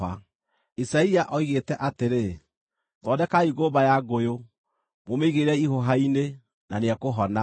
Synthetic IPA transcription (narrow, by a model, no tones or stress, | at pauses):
a̰ | isaiaʔɔiɣetɛʔateɾe | tɔːdɛkaiɣoβajaɡojo | momeiɣeɾɛiɦoɦaine | naneɛkoɦɔna